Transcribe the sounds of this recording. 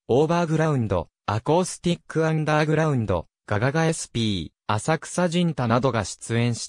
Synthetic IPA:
o̞ːbaːɡɯ̟ɾaɯ̟̃nd̪o̞̰ | ako̞sɨ̥t̪ʲikːɯã̟nd̪aːɡɯ̟ɾaɯ̟̃nd̪o̞̰ | ɡ̥aɡaɡaesɨ̥pʲiː | asakɯ̟̥saʑĩnt̪anad̪o̞ɡaɕi̥t͡sɨẽ̞ɰ̃ɕi̥t̪

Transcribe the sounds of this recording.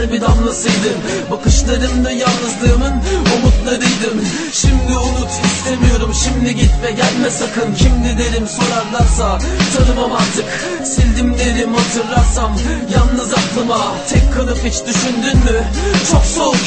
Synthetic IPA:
ɾbid̪anlˠasɯjd̪ɯm | bakɯʃlˠaɾɯmd̪ajanˠnɯzlˠɯːmɯnomut̪lˠaɾɯjd̪ɯm | ʃimd̪ionu | ist̪ʰemijo̞ɾumʃimd̪iɟit̪mɛɟælʲmɛsakʰɯncʰimd̪id̪eɾimso̞ɾaɾlˠaɾsat͡ʃʰanɯmamand̪ɯk | silʲd̪imd̪ʲeɾimhat̪ʰɯɾlˠaɾsamjanˠnɯzaklˠɯmat̪ʰɛkkʰːalˠɯpit͡ʃd̪yʃynd̪ynmyt͡ʃʰokso̞l

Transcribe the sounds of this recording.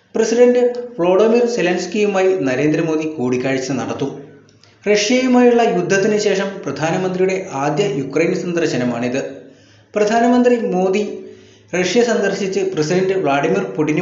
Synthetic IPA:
prɐsiɖɐɳɖɨʋɭo̞ːɖimirselɐnskijumaːjinɐɾe̞ːnd̪ɾɐmo̞ːd̪ikuːɽikʲːaːɻit͡ɕːɐɨnɐ̰ɽɐt̪ːu | reʂjɐjumaːjuɭːɐjud̪ʱːɐt̪ːinɨɕe̞ːʂɐmprɐd̪ʱaːnɐmɐnd̪rijuɽe̞ʔaːd̪jɐjukrɐjnsɐnd̪ɐrɕɐnɐmaːɳiðɨ | prɐd̪ʱaːnɐmɐnd̪rimo̞ːd̪i | reʂjɐsɐnd̪ɐrɕit͡ɕːɨprɐsiɖɐɳɖɨʋɭaːɽimirpuʈːin

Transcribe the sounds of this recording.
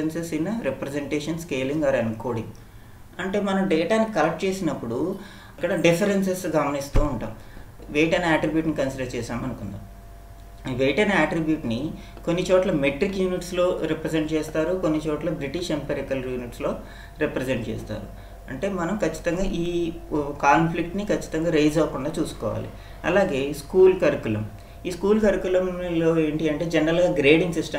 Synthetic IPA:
ensesinːɐɾepɾezeɳʈeːʂɐnskeːliŋɡɐːɾɐnko̞ːɽi | ɐɳʈe̞ːmɐnɐmɖɛːʈaːnikɐlɐkʈ̚t͡ʃe̞ːsinɐpːuɽu | kːɐɽɐɖipʰɐɾens̬esɡɐmɐnist̪uːuɳʈa̰ːm | ʋeːjʈɐjnɐaːʈɾibjuːʈnikɐnsiɖɐɾt͡ʃɛːsaːmɐnukund̪a̰ːm | ʋeːʈɐjnɐaːʈɾibjuːʈni | ko̞nːit͡ʃɔːʈlɐmeʈɾikjuːniʈslo̞ːɾipɾes̬eɳʈ̚t͡ʃeːst̪aːɾukonːit͡ʃɔːʈlɐbɾiʈiʂempɐɾikɐljuːniʈslo̞ː | ɾipɾezeɳʈ̚t͡ʃḛːst̪a̰ːɾṵ | ɐɳʈe̞ːmɐnɐmkɐt͡ʃːi̥t̪ɐŋɡaːʔiːkaːnplik̚ʈnikɐt͡ʃːi̥t̪ɐŋɡaːɾejd͡ʒɐʋɐkuɳɖaːt͡ʃuːsu̥kɔ̰ːʋa̰ːlḭ | ɐ̰laːɡe̞ːskuːlkɐɾikulɐm | iːskuːlkɐɾikulɐmloːeːɳʈiɐɳʈe̞ːd͡ʒenɾɐlɡaːɡɾeːɖiŋɡsisʈɐ

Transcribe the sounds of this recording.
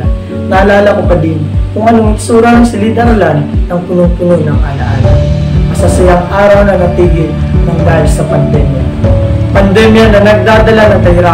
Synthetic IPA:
nɐɐlaːlɐkokɐd̪inkʊŋʔɐnoɪ̥suːɾanŋsɪlid̪ɐɾɐlanːɐŋt̪ʊnoŋt̪ʊnojnɐŋʔɐla̰ʔa̰nʔɐsasɪlaŋʔaːɾɐwnɐnɐp̪iːɡɪlnɐŋd̪aːhɪlsɐpɐnd̪ɛmja | pɐnd̪ɛmjanɐnɐɡ̚d̪aːd̪ɐlanɐŋk̪ɐhɪɾa

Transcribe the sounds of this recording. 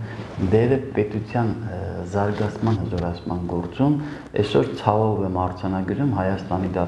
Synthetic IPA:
d̪ɛɾəpɛt̪ut͡sʰjɑnzɑɾɡɑt͡sʰmɑnhəzɔɾɑt͡sʰmɑnɡɔɾt͡sum | ɛsɔɾt͡sʰɑvɔvɛmɑɾt͡sʰɑnɑɡəɾumɦɑjɑst̪ɑnid̪ɑ

